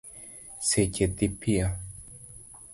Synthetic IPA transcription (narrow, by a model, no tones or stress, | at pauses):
secet̪ipʰia